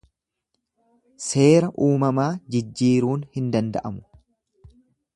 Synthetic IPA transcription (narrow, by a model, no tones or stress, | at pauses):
se̞ːɾɐʔuːmɐmaːd͡ʒɪd͡ʒːiːɾuːnhɪnd̪ɐnd̪ɐ̰ʔɐmʊ̥